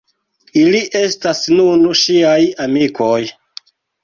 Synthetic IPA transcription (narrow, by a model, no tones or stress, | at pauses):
iliʔe̞stasnunʃiajamikʰoj